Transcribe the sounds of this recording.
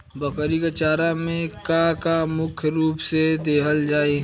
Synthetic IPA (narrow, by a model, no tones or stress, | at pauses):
bɐkəɾikat͡ʃaːɾamẽkãkamʊkʰjɾuːpsed̪eːɦəld͡ʒaːeː